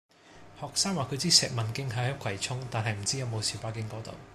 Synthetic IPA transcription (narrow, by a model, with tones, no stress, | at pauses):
hɔː˨k̚saː˥ŋwaː˨kʰɵ˨˧t͡siː˥sɛː˨k̚mɐ˨˩nkɪ˥ŋɦɐ˨˥jhɐ˨˦˥kʰɐ˨˩jt͡sʰʊ˥ŋt̪aː˨nɦɐ˨jm̩˨˩t͡siː˥jɐ˨˧wmo˨˧wsiː˨˩paː˥kɪ˥ŋkɔː˨˥t̪o̰˨˧w